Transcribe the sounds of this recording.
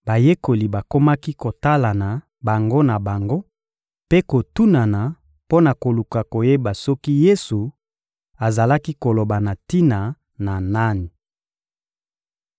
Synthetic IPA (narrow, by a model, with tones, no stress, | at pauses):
ba˨je˦ko˨li˨ba˨ko˦ma˦ki˦ko˨ta˦la˨na˨ | ba˨ŋɡo˦na˨ba˨ŋɡo˦ | pe˦ko˨tu˦na˨na˨ | po˦na˨ko˨lu˨ka˨ko˨je˦ba˨sɔ˦ki˦je˦su˨ | a˨za˨la˦ki˦ko˨lo˨ba˨na˨ti˦na˨ | na˨na˦ni˨